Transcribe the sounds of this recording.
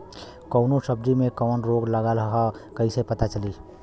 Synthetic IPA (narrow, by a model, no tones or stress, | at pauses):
kɔʊnosɐb̚d͡ʒimẽkɔːnɾoːɡlɐɡaɾɐɦakɐisepɐt̪at͡ʃɐliː